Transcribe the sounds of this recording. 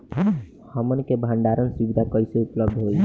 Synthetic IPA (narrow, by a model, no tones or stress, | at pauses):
həmənkebʱə̃ɳɖaɾənsibid̪ʱakəiseupləbd̪ʱɦoi